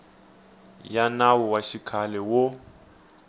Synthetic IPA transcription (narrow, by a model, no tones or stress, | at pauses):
janawɔwaʃikʰalɛwo